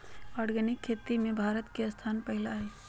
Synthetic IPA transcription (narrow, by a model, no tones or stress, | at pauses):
ɔːɾɡənɪkʰːeːt̪ːimẽbʱaːɾət̪keɐst̪ʰaːnpəɦɪlaːeː